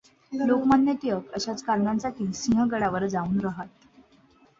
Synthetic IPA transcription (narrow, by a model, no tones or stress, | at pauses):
lokmanːjət̪ijəkəɕat͡skaɾɡant͡sakisiŋɡəɡəɽaʋəɾd͡zauːnɾəɦat̪̚